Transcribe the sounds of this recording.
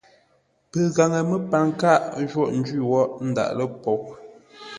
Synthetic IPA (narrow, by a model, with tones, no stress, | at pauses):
pə˨ɣa˨ŋə˨mə˦pa˨ŋ˦ka˦˨ʔd͡ʒwɔ˦ʔn̩˦d͡ʒɥi˦˨wɔ˦ʔn̩˦da̰˨ʔlə˦pɔ˨